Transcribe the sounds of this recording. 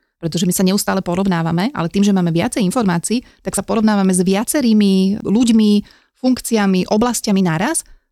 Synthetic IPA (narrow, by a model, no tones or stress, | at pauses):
pɾɛt̪ɔʒɛmisaɲɛust̪aːlɛpɔɾɔʋnaːʋamɛʔa̰lɛt̪iːmʒɛmaːmɛʋɪa̰t͡sɛjinfɔɾmaːt͡siːt̪aksapɔɾɔʋnaːʋamɛzʋɪat͡sɛɾiːmiluɟmi | fuŋkt͡siamiʔɔblascaminaɾas